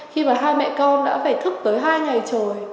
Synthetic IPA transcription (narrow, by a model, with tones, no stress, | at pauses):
xi˧maː˨˩ɦaː˧jmɛ̰˧˨kɔ˧nɗa̰ː˧˥faː˧˩jt̪ʰɨ˦˥k̚t̪əː˨˦jɦaː˧jŋa˨˩jt͡ɕo˨˩j